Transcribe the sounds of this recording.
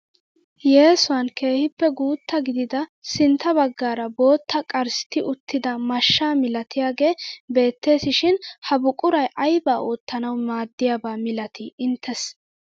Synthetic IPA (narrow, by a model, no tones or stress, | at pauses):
je̞ːsʊwɐnke̞ːhɪpːɛɡuːt̪ːɐɡɪd̪ɪd̪ɐsɪnt̪ʰːɐbɐɡːaːɾɐbo̞ːt̪ʰːɐkʼɐɾsɪ̥t̪ɪʔʊt̪ːɪd̪ɐmɐʃːaːmɪlɐt̪ɪjaːɡe̞ːbe̞ːt̪ːe̞ːsɪʃɪnhɐbʊkʼʊɾɐjʔɐjbaːʔoːt̪ːɐnɐwmaːd̪ːɪjaːbaːmɪlɐt̪ʰɪʔɪnt̪ʰːɛs